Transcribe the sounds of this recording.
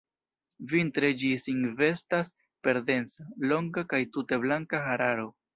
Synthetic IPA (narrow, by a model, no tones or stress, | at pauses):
vintɾe̞d͡ʒisiŋve̞stas | pe̞ɾde̞nt͡salo̞ŋɡakajtute̞blaŋkaxaɾaɾo̞